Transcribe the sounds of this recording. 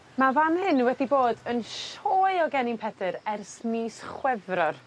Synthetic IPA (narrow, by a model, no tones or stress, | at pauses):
mavanhɪnwɛdiboːdənʃoːɨɔɡɛnɪmpʰɛdɨɾɛrsmiːsχwɛvrɔr